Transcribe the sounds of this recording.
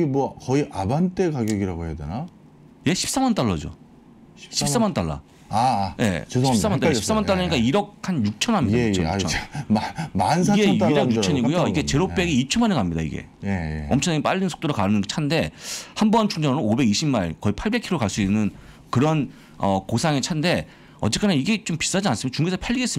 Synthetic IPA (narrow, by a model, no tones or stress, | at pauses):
emwʌkʌiʔabant͈e̞kaɡjoɡiɾaɡohe̞jadena | je̞ɕʰi̥p̚s͈amant͈aɭːʌd͡ʑo̰ | ɕʰips͈amant͈aɭːa̰ | aje̞̰t͡ɕɕis͈amantaɕi̥psamant͈aɭːʌɲik͈aiɾʌk̚ʰanjuk̚t͡ɕʰʌnɦamɲidat͡ɕut͡ɕʰʌ̰ | mansʰɡeiɾejut͡ɕʰʌɲiɡujoiɡe̞t͡ɕe̞ɾop̚p͈eɡeit͡ɕʰʌnmanekamɲida̰ḭɡe̞̰ | ʌmt͡ɕʰŋneɡep͈a̰ʎːinsʰo̥t͈oɾokaɯnɯnɡet͡ɕʰande̞hambʌnt͡ɕʰuŋd͡ʑʌŋɾoobe̞ɡiɕʰimmːaɭkʌipʰaɭbe̞kʰiɾokaɭs͈uinːɯn | kɯɾʌn | ʌkosʰaŋet͡ɕʰande̞ | ʌ̰tt͡ɕ͈ek͈aneiɡe̞t͡ɕompi̥s͈ad͡ʑians͈ɯmʌt͡ɕuŋɡesʰapʰjaʎːiɡe̞s͈ɯ